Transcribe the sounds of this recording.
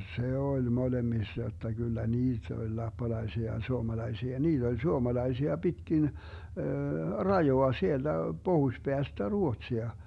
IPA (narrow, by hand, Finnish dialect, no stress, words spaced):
se olʲ molemːisːɑ jotːɑ ɡ̊ylːæ niːt olʲ lɑpːɑlɑisiɑ jɑ suomɑlɑisiɑ niːt olʲ suomɑlɑisiɑ b̥itkin rɑjoɑ sield̥æ b̥ohusb̥eæstæ ruotsiɑ